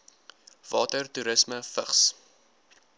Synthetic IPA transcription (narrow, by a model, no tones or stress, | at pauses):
v̥ɑːtərtuɾəsməfəχs